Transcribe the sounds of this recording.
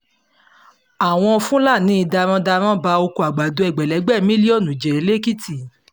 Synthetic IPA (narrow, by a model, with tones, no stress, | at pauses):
a˨w̃ɔ̃˧fũ˦la˦˨nĩ˦i˧da˧ɾ̃ã˦da˧ɾ̃ã˦ba˧o˧ko˧a˨ɡ͡ba˨do˨˦ɛ˨ɡ͡bɛ˨lɛ˨˦ɡ͡bɛ˦˨˦mĩ˦li˦ɔ˦˨nũ˨d͡ʒe˨e˨˦le˦ki˦ti˦˨